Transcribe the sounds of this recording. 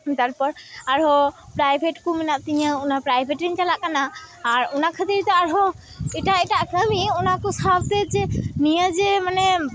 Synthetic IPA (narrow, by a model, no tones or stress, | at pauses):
t̪aɾpɔɾaɾɦopɾajbʱeʈkuminaʔ̚t̪iɲəunapɾajbʱeʈiɲt͡ʃalaʔkanaː | ɾunakʰət̪iɾt̪eaɾɦo | iʈaiʈaʔkəmiunakusabab̚t̪ed͡ʒenijəd͡ʒemane